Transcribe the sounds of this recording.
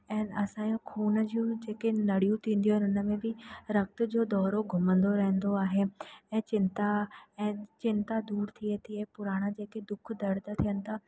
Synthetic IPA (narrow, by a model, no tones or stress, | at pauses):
ɛ̃ːnɐsãːokʰuːnəd͡ʑiũd͡ʑeːkenɐɽ̤ijũt̪ʰĩːn̆d̪ijõɛ̃ːnʊnə̆mẽbɪɾɐk̚t̪ʊ̆d͡ʑoːd̪ɔːɾoɡʱʊmə̃nd̪oɾɐɦə̃n̆d̪oaːɦeɛ̃ːt͡ɕɪ̃nt̪aɛ̃ːt͡ɕɪ̃nt̪ad̪uːɾt̪ʰiet̪ʰiepʊɾaːɽ̃ad͡ʑeːked̪ʊkʰd̪ɐɾt̪at̪ʰijənɪ̆t̪ʰa